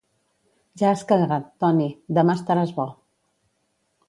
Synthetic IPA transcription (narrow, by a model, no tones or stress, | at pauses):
ʒaːskəðɣat̪ːɔnid̪əmast̪əɾazβɔ